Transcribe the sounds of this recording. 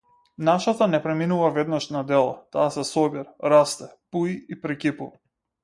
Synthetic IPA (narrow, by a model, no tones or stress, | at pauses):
naʃat̪anɛpɾɛminuvavɛd̪naʃnad̪ɛlˠa̰t̪aːsɛsɔbiɾaɾast̪ɛpuiipɾɛkʲipuva